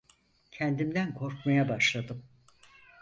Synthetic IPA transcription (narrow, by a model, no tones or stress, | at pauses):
cʰɛnd̪imd̪ænkʰo̞ɾkmajabaʃlˠad̪ɯm